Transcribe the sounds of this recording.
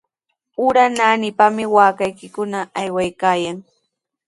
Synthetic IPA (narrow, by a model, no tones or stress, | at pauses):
ʊɾanaːnɪpamɪwaːkajkɪkʊnaʔːjwajkaːjaŋ